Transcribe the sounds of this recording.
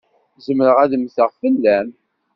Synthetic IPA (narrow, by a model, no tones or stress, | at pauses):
zəmɾəʁæðəmθəʁfəlːæm